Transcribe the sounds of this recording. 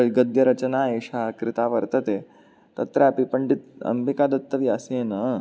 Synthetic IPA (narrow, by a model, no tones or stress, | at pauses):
ɐɭɡɐd̪jɐɾɐt͡ʃɐnaːeːʂakɾɪt̪aːʋɐɾt̪ɐt̪e | t̪ɐt̪ɾaɐpipəɳɖit̪̚ɐ̰mbikad̪ɐt̪ːɐʋiɐseːnɐ